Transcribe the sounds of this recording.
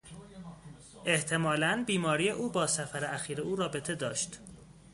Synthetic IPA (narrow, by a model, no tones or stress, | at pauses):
ʔe̞ht̪ʰe̞mɒːlænbiːmɒːɾije̞ʔuːbɒːsæfæɾeæxiːɾeuːɾɒːbe̞t̪ʰe̞d̪ɒːʃt̪